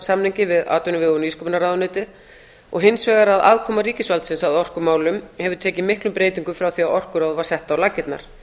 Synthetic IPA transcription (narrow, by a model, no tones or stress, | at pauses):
samnɪɲcɪvɪða̰ːt̪ʏnʏvɪɣɔniːskɔpnaɾaːðʏnʏːt̪ɪð | ɔ̰ɣɦɪnsvɛːɣaɾaða̰ːðkʰɔːmaɾiːcɪsvalt̪sɪnsaðɔr̥kʏmaːwlʏmhɛvʏɾt̪ʰɛːcɪmɪhklʏmpɾeːjt̪iŋkʏfɾawθiawɔr̥kʏɾawðvḁsɛht̪awlacːɪt̪na̰ɾ̥